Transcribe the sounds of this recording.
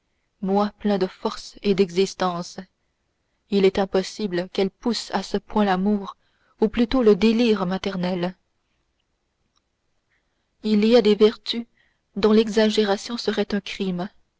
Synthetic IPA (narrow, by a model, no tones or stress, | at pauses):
mwaplɛ̃d̪əfɔʁsed̪ɛɡzist̪ɑ̃s | ilɛt̪ɛ̃pɔsibləkɛlpusasəpwɛ̃lamuːʁ | uplyt̪oləd̪eliːʁmat̪ɛʁnɛl | iliad̪evɛʁt̪y | d̪ɔ̃lɛɡzaʒeʁasjɔ̃səʁɛt̪œ̃kχim